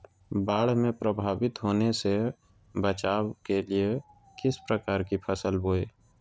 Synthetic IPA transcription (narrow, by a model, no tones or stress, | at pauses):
baːɽ̤mẽpɾəbʱaːbɪt̪ɦoːnese | bət͡ʃaːwkelie | kɪspɾəkaːɾkipʰəsəlboːeː